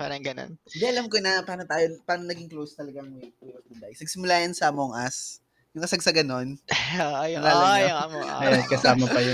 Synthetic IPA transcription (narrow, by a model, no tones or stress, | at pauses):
pa̰ɾɐŋɡɐno̰nnd̪ɛʔɐlɐmkonɐpaːɾɐt̪aːjopaːɾɐnɐɡiŋklowst̪ɐlɐɡaŋwɛjuot̪ʊd̪ajsnɐɡ̚sɪmʊlaːjɐnsɐʔɐmoŋʔas | jʊŋkɐsɐɡsɐɡɐno̞noʔjʊŋaljʊŋɐmo̰ɐjankɐsaːmɐpɐjʊ